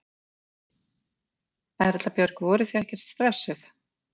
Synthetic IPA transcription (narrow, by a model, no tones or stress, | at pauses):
ɛɾɛt̪lapjœɾkvɔːɾɪθiɛhcɛɾ̥t̪st̪ɾɛsːʏθ